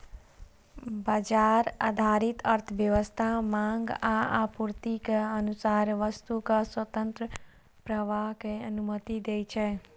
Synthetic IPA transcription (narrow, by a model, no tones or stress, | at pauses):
bad͡ʒaːɾa̰d̪ʱaːɾit̪əɾt̪ʰəʋjəʋəst̪ʰamãːŋɡaapuɾt̪ikeənusaːɾʋəst̪ukaswət̪ə̃nt̪ɾə | pɾəʋaɦkeənumət̪id̪eːt͡ʃʰɛː